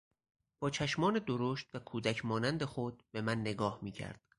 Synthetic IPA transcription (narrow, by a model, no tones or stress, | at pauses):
b̥ɒːt͡ʃʰæʃmɒːned̪oɾoːʃt̪vækʰuːd̪æcʰmɒːnænd̪e̞xod̪̚be̞mænːe̞ɡɒːhmiːcʰæ̰ɾd̪̥